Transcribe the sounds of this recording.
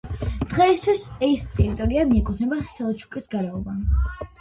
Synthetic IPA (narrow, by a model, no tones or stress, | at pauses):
d̪̥ʁɛist̪ʰwisɛst̪ʼɛɾit̪ʼɔɾiamiɛkʼut̪ʰnɛbaχi̥sɛlˠɔt͡ʃʰu̥kʼisɡaɾɛɔbans